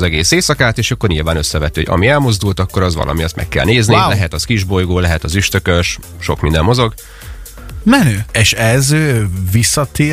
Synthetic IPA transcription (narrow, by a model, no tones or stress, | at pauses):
zɛɡeːseːsɒkaːt̪eːʃɒkːo̞rɲilvaːnø̞sːɛvɛt̪ːihoɟɒ̰miɛlmozd̪ult̪ɒkːo̞ɾɒzʋɒ̰lʔɒ̰mijɒt̪mɛ̰kːɛ̰lneːznilɛɦɛt̪ɒskiʒbo̞jɡoːlɛɦɛt̪ɒzyʃt̪ø̞køʃ | ʃo̞̰kmind̪ɛmmo̞zo̞ɡ | mɛnøːeʃɛzvisːɒt̪eː